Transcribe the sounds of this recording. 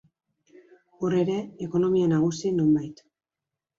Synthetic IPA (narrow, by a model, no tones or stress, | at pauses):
ore̞ɾe̞ːko̞no̞mianaɣ̞usino̞mbajt̪